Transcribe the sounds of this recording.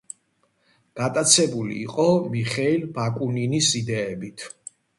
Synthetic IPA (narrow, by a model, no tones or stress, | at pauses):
ɡ̥at̪ʼat̪sʰɛbulḭːqʼɔmiχɛilbakʼuninisid̪ɛːbit̪ʰ